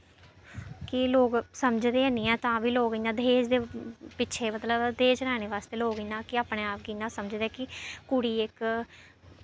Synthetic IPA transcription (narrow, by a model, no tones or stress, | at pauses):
kɪloːɡsəmd͡ʒd̪eːənĩːɛ̃ːt̪ãːʋiːloːɡiːnãːd̪eːd͡ʒd̪eːpɪʃʰeːmət̪ləbd̪eːt͡ʃɾɛːñeːʋaːst̪eːloːɡənãːkɪaːpneːaːp̚ɡiːnãːsəməd͡ʒd̪eɛːkɪkʊɽiːɪk